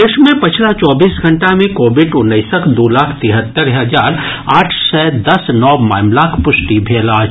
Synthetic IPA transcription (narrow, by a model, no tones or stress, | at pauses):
d̪eːʃmẽpɐt͡ʃʰlat͡ʃɔːbiːsɡʱɐ̃ɳʈamẽkoːbɪɖʊnːəɪsəkʰd̪oːlaːkʰt̪ɪɦət̪ːəɾɦəzaːɾaːʈʰsɛd̪ɐsnɔːmaːɪmlaːkʰpʊsʈibʱeːlaːd͡ʒ